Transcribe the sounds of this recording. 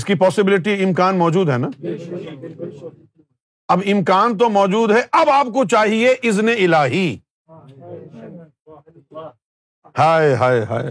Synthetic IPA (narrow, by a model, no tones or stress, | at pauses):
ɪskipɔːsɪbɪlɪʈ̬iɪmkaːnmɔːd͡ʒuːd̪ɦɛna | ɐbɪmkaːnt̪̬omɔːd͡ʒuːd̪ɦɛʔɐbaːp̚kot͡ʃaːɦieʔɪzneɪlaːɦi | haːeɦaːeɦa̰ːe